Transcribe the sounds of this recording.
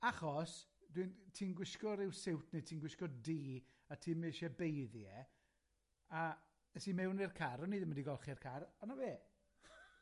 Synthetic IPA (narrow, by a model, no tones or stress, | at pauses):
aχɔsd̥wintʰiːnɡwɪskɔɾɪwsɪwtʰni̥tʰiːnɡwɪskɔdiː | atʰiːmɪʃɛbejðjɛ | a | əsimɛwnɪrkʰaɾɔniːðəməndiɡɔlˠχirkʰaɾanaveː